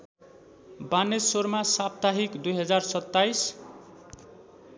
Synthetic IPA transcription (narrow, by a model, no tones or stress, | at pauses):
baned͡zsormasap̚t̪aɦikd̪ujɦʌd͡zarsʌt̪ːajs